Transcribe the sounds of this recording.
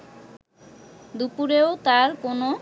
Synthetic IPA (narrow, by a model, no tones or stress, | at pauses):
d̪upuɾeot̪aɾkono